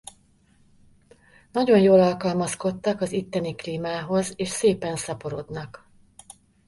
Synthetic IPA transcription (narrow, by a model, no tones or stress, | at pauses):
nɒɟo̞njoːlɒlkɒlmɒsko̞t̪ːɒkɒzit̪ːɛnikliːmaːɦo̞zeːʃseːpɛnsɒpo̞ɾo̞d̪nɒk